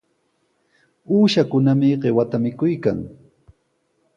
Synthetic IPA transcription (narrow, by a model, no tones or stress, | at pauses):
uːʃakʊnamɪɢewat̪amɪkʊjka̰ŋ